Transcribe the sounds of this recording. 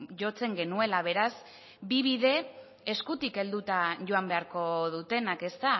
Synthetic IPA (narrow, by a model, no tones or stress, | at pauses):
ʝo̞t͡se̞ŋɡe̞nue̞laβ̞e̞ɾaz | biβiðe̞ | eskut̪ike̞ld̪ut̪aʝo̞ambe̞aɾko̞ð̞ut̪e̞nake̞st̪a